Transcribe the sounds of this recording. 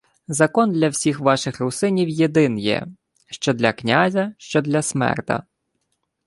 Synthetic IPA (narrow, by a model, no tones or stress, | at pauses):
zɐkɔnd̪lʲɐwsʲixʋɑʃɪxrʊsɪnʲiwjed̪ɪnjɛ̰ | ʃt͡ʃɔd̪lʲɐknʲazʲɐʃt͡ʃɔd̪lʲɐsmɛ̰rt̪ɐ̰